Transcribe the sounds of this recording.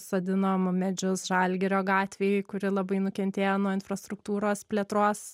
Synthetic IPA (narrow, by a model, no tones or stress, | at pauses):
soːd̪ʲɪnoːmmʲɛd͡ʒʲʊsʒɐlʲɡʲɛɾʲoːɡɑːt̪ʲʋʲeːjɪkʊɾʲɪlˠɐbɐɪnʊkʲɛnʲt̪ʲeːjonuɔɪnfrɐst̪ɾʊkt̪uːɾoːspʲlʲeɛt̪ɾoːs